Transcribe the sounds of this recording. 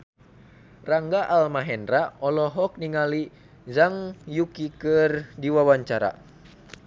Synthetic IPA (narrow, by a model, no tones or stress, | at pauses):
raŋɡaʔalmaɦɛndraɔlɔɦɔk̚niŋali | zaŋjukikərdiwawaɲt͡ʃaɾa̰